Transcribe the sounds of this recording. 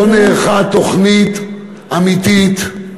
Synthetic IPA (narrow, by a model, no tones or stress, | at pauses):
neːχat̪o̞χnit̪ | amit̪it̪